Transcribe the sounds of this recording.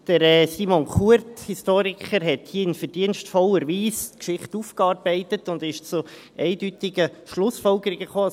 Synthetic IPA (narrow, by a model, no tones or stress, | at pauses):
d̥əɾɛsimoŋkuəɾthistoːɾikʰəɾɦɛthiːəɪnfəd̥iənstfɔləɾʋiːskʃɪχtuːfkɑɾbɛɪtətʊndɪʃt͡su | ʔɛɪdytɪɡəʃlʊsfɔlɡəɾiɡəχoː